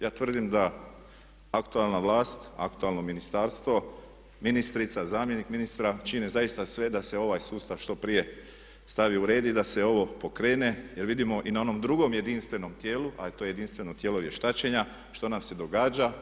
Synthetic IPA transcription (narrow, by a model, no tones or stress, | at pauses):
jaːt̪ʋr̩d̪imd̪a | akt̪ualˠnaʋlaːst̪a̰kt̪ualˠnominist̪aːɾst̪ʋo̞ | minist̪ɾit̪sazaːmje̞nikminist̪ɾat͡ʃinezaist̪asʋe̞d̪ase̞o̞ʋajsuːst̪aʋʃt̪o̞pɾije̞ | st̪aʋiuɾe̞ːd̪id̪ase̞o̞ʋo̞po̞kɾe̞ːne̞je̞ɾʋid̪imo̞ʔinao̞no̞md̪ɾuɡo̞mje̞d̪inst̪ʋe̞no̞mt̪je̞ːlua̰it̪ojeje̞d̪inst̪ʋe̞no̞t̪jeːloɾje̞ʃt̪at͡ɕe̞ɲa | ʃt̪o̞namse̞d̪o̞ɡaːd͡ʒa